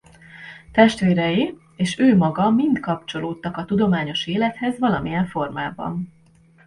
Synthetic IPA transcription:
t̪ɛʃt̪ʋeːɾɛji | eːʃøːmɒɡɒmint̪kɒpt͡ʃo̞loːt̪ːɒkɒt̪ud̪o̞maːɲo̞ʃeːlɛt̪hɛzʋɒlɒmijɛɱfo̞rmaːbɒ̰n

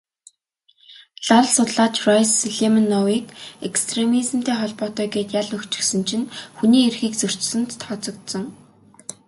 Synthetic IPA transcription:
ɮaɮsʊt̪ɮaːt͡ɕrɔjsɮemə̆nːɔwiːkekst̪ʰremizɘ̆mt̪ʰeːχɔɮpɔːt̪œːɡeːt̪jaɮɵkt͡ɕɪ̆sɘ̆nt͡ɕʰɪ̆nxuniːerxiːkt͡sɵr̥ʲt͡ɕsɘ̆nt̪ːʰɔt͡sɞ̆kt̪sɞ̆ŋ

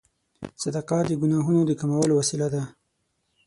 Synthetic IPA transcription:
sad̪ɑqɑd̪əɡʊnɑɦunod̪əkamawəlowasilad̪a

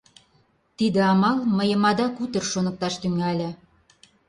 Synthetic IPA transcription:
t̪id̪ə̆ɑmɑlməjə̆mɑd̪ɑkut̪ə̆rʃonə̆k̚t̪ɑʃt̪yŋælʲĕ

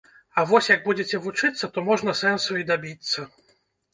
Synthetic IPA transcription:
ɐvɔsʲjɐɡ̚bud͡zʲet͡sʲɛvut͡ʂɨt̪sːɐt̪ɔmɔʐnɐsɛnsuid̪abʲit̪sːɐ

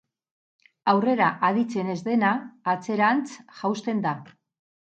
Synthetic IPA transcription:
awre̞ɾaʔað̞it͡se̞ne̞zðe̞naːt͡se̞ɾant͡sʝawst̪e̞nd̪a

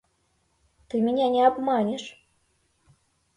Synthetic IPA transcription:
t̪ɨmʲinʲænʲeɑbmɑnʲĕʂ

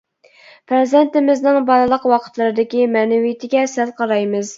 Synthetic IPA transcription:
pʰɾezɛnt̪ɪmɪznɪŋbɑɾɨlˠəqwɑqʰə̥t̪lˠɨɾɨd̪ɪkʲimɛnɪwijit̪ʰɪɡʲɛsælqʰɑɾɑjmɨz

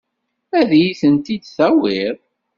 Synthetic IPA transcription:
æðjiθənt̪id̪θæwɪɾ

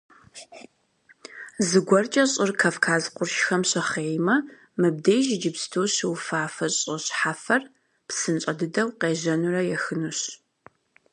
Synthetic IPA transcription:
zɨɡʷɔrt͡ʃʼɐɕʼɪrkʰaːfkʰaːzqʷʊrʃxɐmɕɐχeːjmɐ | mɨb̚dejʒɪd͡ʒɪpstʰoːɕɪwfaːfɐɕʼɐɕħaːfɐr | psɨnt͡ʃʼɐdɨdɐwqeːʑɐnurɐjɛxɨnuɕ

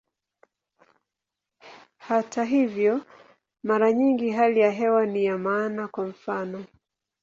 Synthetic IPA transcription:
hataɦivjɔ | maɾaɲiŋɡiɦalijaɦɛwanijamaːnakwam̩fanɔ

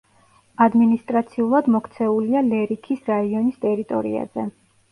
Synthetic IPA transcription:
ad̪minist̪ʼɾat̪sʰiulˠad̪mɔkʰt̪sʰɛulialɛɾikʰisɾaiɔnist̪ʼɛɾit̪ʼɔ̰ɾḭa̰zɛ

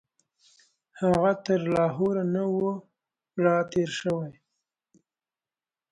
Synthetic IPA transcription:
haɣat̪əɾlɑɦoɾanawo | ɽɑt̪eɾʃəwaj

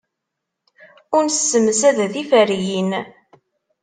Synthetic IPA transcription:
ʊnssːəmsæðæðifæɾjin

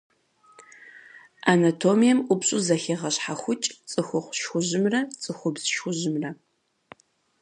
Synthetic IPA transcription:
ʔanɐtʰoːmijɛmʔʷʊbɕʼuzɐxeʁɐɕħaxʷʊt͡ʃʼt͡sʼɨxʷʊχʷʃxʷʊʑɪmrɐt͡sʼɨxʷʊbz̥ʃxʷʊʑɪmrɐ

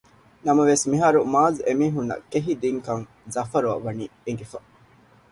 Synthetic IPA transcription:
nɐmɐʋesmiɦaːɾumaːzemiːɦunːɐ̰keɦid̪iŋkɐŋ | zɐfɐɾuɐ̰ʋɐniːeŋɡefɐ

